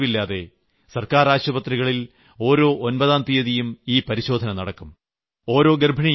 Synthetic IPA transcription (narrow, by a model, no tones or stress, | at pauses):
ʋilːaːðe̞̰ | sɐrkaːɾaːɕwɐbɐt̪riɣɐɭil | o̞ːɾo̞ːʔonbɐðaːnt̪ijɐðijumiːpɐɾiɕo̞ːd̪ʱɐnɐnɐɽɐkːum | o̞ːɾo̞ːɡerbʱɐɳi